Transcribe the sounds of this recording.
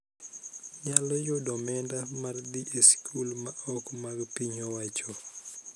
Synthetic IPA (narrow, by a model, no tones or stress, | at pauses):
ɲalɔjodɔmɛndamardiʔeskʰulmaɔkmaɡpiɲowat͡ʃɔ